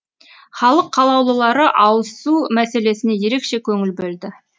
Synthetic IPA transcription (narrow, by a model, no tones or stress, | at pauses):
χɑlˠəqʰːɑlˠɑwlˠəlˠɑɾəʔɑwəsumæse̞le̞sɪne̞je̞ɾe̞kʃe̞kʲʰɵŋɪlbɵld̪ɪ